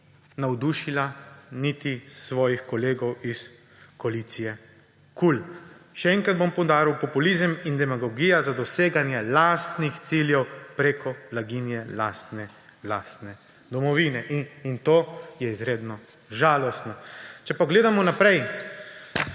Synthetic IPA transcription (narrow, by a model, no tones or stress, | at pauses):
nawd̪uːʃilanit̪isʋɔːjixkɔleːɡɔwis | kɔalit̪sijɛ | kulʃɛɛŋkɾad̪̚bompɔwd̪aːɾiwpɔpulizəmind̪ɛmaɡɔɡiːjazad̪ɔseːɡanjɛlast̪nixt̪siljɛwpɾeːkɔblaɡiːnjɛlaːst̪nɛ | last̪nɛ | d̪ɔmɔʋiːnɛʔint̪oːjɛizɾeːd̪nɔ | ʒaːlɔst̪nɔt͡ʃɛpaɡleːd̪amɔnapɾɛj